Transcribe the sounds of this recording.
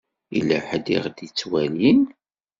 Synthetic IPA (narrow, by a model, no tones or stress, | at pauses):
ḭlæħd̪ḭʁd̪jit͡sːwælin